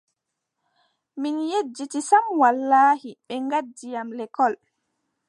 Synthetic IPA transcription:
minjed͡ʒːitisamwalːaːhiɓɛŋɡadːijamlɛkɔl

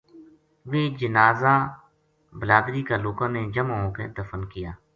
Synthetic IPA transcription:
ʋeːd͡ʒənaːzaː | bəlaːd̪ɾiːkaːloːkãːneːd͡ʒəmãːõːked̪əfənkɪjaː

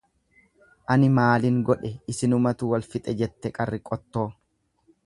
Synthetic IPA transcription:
ʔɐnɪmaːlɪŋɡɔᶑɛɪsɪnʊmɐt̪ʊwɐlfɪt̪ʼɛd͡ʒɛt̪ːɛkʼɐrːɪkʼɔt̪ːo̞ː

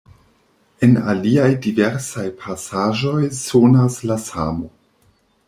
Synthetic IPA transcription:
ena̰liajdive̞ɾsajpʰasaʒo̞jsonaslasa̰mo̞

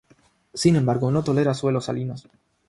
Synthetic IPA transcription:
sinẽ̞mbaɾɣono̞t̪o̞le̞ɾaswe̞lo̞sa̰linos

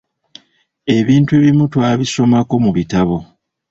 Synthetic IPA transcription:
e̞βiːntueβimutwaːβiso̞mako̞muβitaβo̞

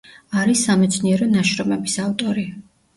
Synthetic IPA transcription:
aɾisːamɛt̪sʰniɛɾɔnaʃɾɔmɛbisavt̪ʼɔɾi

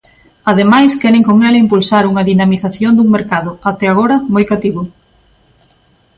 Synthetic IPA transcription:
aðemajskɛɾeŋkoŋɛlɪimpulsaɾuŋɐðinamiθaθjond̪uŋmeɾkaðʊat̪ɛaɣ̞oɾɐmojkat̪iβʊ

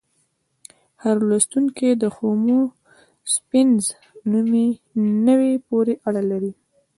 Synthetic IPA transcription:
haɾlast̪uŋked̪əxomo | spɪnz | numinəwepoɾeʔaɽalaɾi

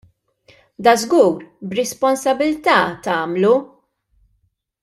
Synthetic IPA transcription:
d̪ɐzɡuːɾbɾɛspɔnsɐbɪlt̪ɐːt̪ɐːmlu

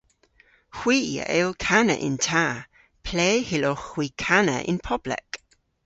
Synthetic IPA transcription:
xwiːə̰ʔɛlˠkʰanə̰ʔɪ̰ntʰaː | pʰleːhɪloxw̥iːkʰanə̰ʔɪ̰npʰɔblɛ̰k

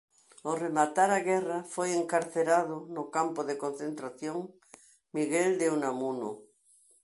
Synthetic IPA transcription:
oremat̪aɾaɣɛrafojeŋkaɾθeɾaðʊnokampoðekon̟θent̪ɾaθjoŋ | miɣeld̪eunamuno̰

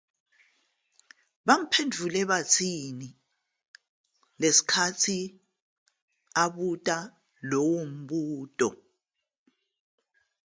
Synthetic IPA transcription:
ɓam̩pʰendʱulɛβat͡sʰini | lesi̥kʰatʰi | aɓutʼa | lɔwom̩ɓuːtʼɔ̰

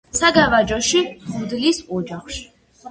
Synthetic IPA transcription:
saɡavad͡ʒɔʃibud̪lisɔd͡ʒaχʃi̥

